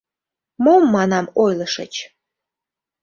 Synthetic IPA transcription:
momːɑnɑmojlˠɤ̆ʃə̰t͡ɕ

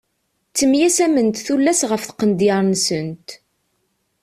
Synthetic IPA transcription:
t͡sːəmjæsæmənt̪θulːæsʁəfθqənd̪ɪɾˤnsənt̪

